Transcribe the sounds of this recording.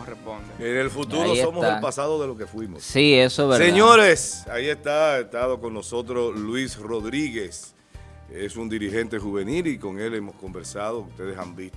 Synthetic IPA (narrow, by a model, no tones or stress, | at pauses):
repond̪eenelfut̪uɾoso̞mosepasaðoðelo̞ke̞fwimo̰ssiesoβɾseɲoɾesaie̞st̪aest̪aðokoŋnoso̞t̪ɾoslwisro̞ðɾiɣe̞s | esund̪iɾihe̞nt̪e̞xuβe̞niliko̞ŋe̞le̞mosko̞mbe̞ɾsað̞oust̪e̞ðesa̰mbist̪o